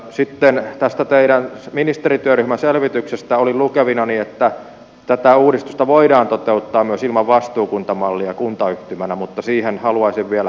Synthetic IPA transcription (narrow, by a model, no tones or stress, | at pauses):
sit̪ːent̪æst̪æt̪eiɾænminist̪erit̪yøryhmænselʋit̪yksest̪æolilukeʋinɑniet̪ːæ | t̪æt̪æuːɾist̪ust̪ɑʋoidɑːnt̪ot̪eut̪ːɑːmmyøsilmɑʋʋɑst̪uːkunt̪ɑmɑlːiɑkunt̪ɑyht̪ymænæmut̪ːɑsiːhenhɑluɑisiʋʋiælæ